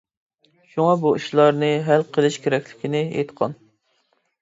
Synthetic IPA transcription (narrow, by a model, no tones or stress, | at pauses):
ʃuŋɑbuiʃlˠɑɾnɨɦælqʰəlˠɪʃkʲʰeɾɛkʲlɪkʲinɪḛjt̪qʰɑ̰n